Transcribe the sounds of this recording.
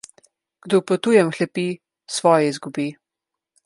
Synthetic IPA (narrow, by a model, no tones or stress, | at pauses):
ɡ̥d̪ɔpɔt̪uːjɛmxlɛpiː | sʋɔːjɛizɡubiː